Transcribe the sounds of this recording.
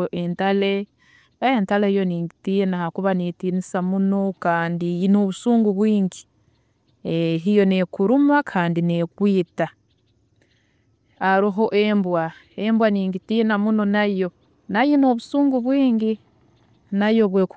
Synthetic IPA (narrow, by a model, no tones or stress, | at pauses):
ʔentale | entaleijo̞niːŋɡitijenaakuβanitiːnisamunokaːndinoβusuːŋɡuβwiːŋɡi | eɦijo̞ne̞kuɾumakʰaːndine̞kwiːta | aɾiɦo̞ʔembwa | embwaniːŋɡitinamuno̞najo̞ | najinoβusuːŋɡuβwiːŋɡi | najo̞βweku